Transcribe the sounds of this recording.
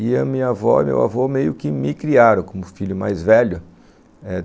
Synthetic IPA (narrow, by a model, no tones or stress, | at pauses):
ɪɐmĩɲɐavɔmḛwa̰vomejʊkɪmɪkɾiaɾɐ̃w̃kõmʊfiʎʊma̰jzvɛʎʊ | ɛ